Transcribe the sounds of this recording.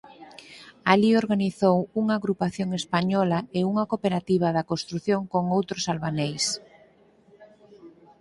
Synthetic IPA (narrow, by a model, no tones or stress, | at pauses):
alioɾɣaniθowuŋaːɣɾupaθjoŋespaɲɔlaeuŋɐkopeɾat̪iβ̞aðɐkõnst̪ɾuθjoŋkoŋowt̪ɾʊsalβanejs